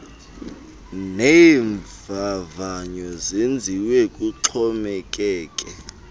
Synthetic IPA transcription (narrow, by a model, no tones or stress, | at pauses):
neːɱvavaɲɔzend͡zʱiwekʼuǁʰɔmɛk̬ʼɛːkʼɛ